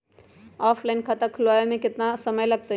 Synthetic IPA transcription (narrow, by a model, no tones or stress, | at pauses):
ɔpʰlaɪnkʰat̪əkʰʊlʋaemẽkɪt̪nasəməjləɡ̚t̪ə